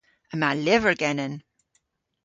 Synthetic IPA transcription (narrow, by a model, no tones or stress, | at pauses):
əmalɪvə˞ɡɛnən